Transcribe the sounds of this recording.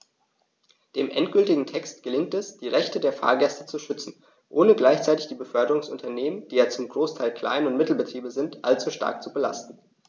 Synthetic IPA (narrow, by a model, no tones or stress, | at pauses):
d̥eːmʔɛntɡ̥ʏltɪɡŋ̩tʰɛkstɡ̥əlɪŋ̚tɛsd̥iːʁɛçtədeːɐfa̰ːɐɡɛstət͡suʃʏt͡sn̩ | ʔoːnəɡlaɪçt͡saɪtɪçd̥iːbəfœɐdəʁʊŋsʔʊntʰɐneːmənd̥iːjaːt͡sʊmɡʁoːstʰaɪlkl̥a̰ɪnʊntmɪtl̩bətʁ̥iːbəzɪntʔa̰lt͡suʃta̰ɐk̚t͡subəla̰stn̩